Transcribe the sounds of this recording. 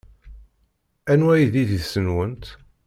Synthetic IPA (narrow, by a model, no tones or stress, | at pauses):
ænwæjðiðiðsənwənt̪